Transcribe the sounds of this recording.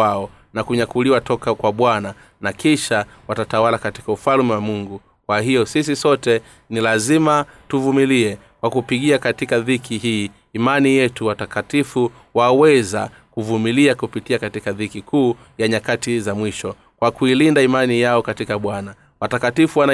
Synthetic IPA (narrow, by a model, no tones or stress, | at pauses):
aɔ | nakuɲakuliwatɔkakwaɓwana | nakiʃa | watatawalakati̥kaufalmiwamuŋɡu | kwahijɔsis̬isɔtɛ | nilazimatuvumiliɛ | kwakupiɠiakatikaðikʰiɦiː | manijɛtuwatakatifu | wawɛza̰ | kuvumiliakupitiakatikaðikikuː | jaɲakatizamwiʃɔ | kwakuilindaimanijaɔkatikaɓwana | watakatifuwana